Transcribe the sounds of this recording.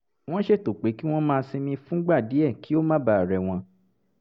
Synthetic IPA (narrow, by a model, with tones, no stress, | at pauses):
w̃ɔ̃˦ʃe˦˨to˨k͡pe˨˦ki˦w̃ɔ̃˦mãː˦˧sĩ˧mĩ˧fũ˦ɡ͡ba˦˨di˨˦ɛ˦˨ki˦o˦mã˦ba˦˨ɾɛ˨w̃ɔ̃˧